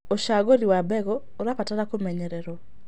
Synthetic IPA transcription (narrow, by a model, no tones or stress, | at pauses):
oʃaɡoɾiwabɛɡɔːɾapataɾakomɛɲɛɾeɾo